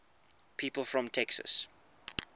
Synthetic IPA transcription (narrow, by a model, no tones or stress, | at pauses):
pʰiːpəlˠfɹɔ̃mtʰɛksə̰s